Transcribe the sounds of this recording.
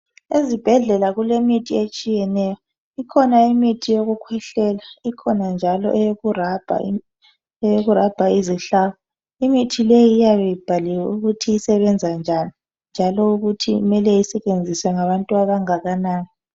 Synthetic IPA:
ezib̥ʱɛɮɛlaɣulemitʰiet͡ʃʼijɛnɛjɔ | ikʰɔnaimitʰijoɣukʰwɛɬɛlaikʰɔnand͡ʒʱalɔ̰ʔɛjoɣurab̥ʱa̰ | ɛjoɣurab̥ʱaiziɬawɔ | imitʰilejiːjaβɛjib̥ʱaliwɛuɣutʰiisɛβɛnd͡zʱand͡ʒʱani | nd͡ʒʱalɔuɣutʰiṵmɛlɛisɛt͡ʃʼend͡zʱiswɛŋaβantʼuaβaŋaɣanaːni

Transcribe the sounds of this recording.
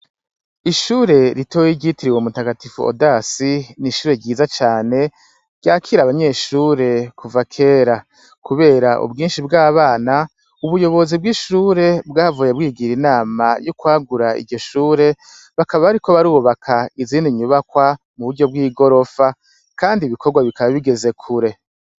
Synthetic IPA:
iʃuːɾe̞ɾitojiɟitiɾiwemutaɡatifṵo̰dasiniʃuːɾe̞ɟiːzat͡ʃaːne̞ | ɾɟaːkʰiɾaβaɲe̞ʃuːɾe̞kʰuvakʰe̞ːɾa | kʰuβe̞ːɾaʔṵbɡiːnʃib̚ɡaːβaːna | uβujo̞βo̞zib̚ɡiʃuːɾe̞bɡaːvujebɡiːɡiɾinaːmajukwaːɡuɾaḭɟo̞ʃuːɾe̞ | βakaβaβaɾiko̞βaɾuːβakʰaiziːndiɲuβakwa | muβuɾɟo̞b̚ɡiːɡo̞ɾo̞fa | kaːndiːβiko̞ɾɡwaβikʰaβaβiɡe̞ze̞kʰuɾe̞

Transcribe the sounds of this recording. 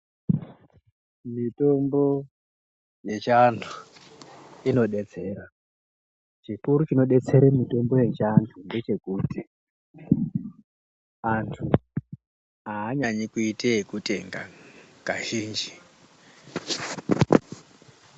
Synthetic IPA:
mito̞mbo̞ | je̞t͡ʃantʰu̥ | ino̞ɗe̞t͡se̞ːɾa | t͡ʃikuɾut͡ʃino̞ɗe̞t͡se̞ɾemito̞mbo̞je̞t͡ʃantʰunde̞t͡ʃe̞kuːti | antʰu | aːɲaɲikuiteekute̞ŋɡa̰kaʒiːnd͡ʒi

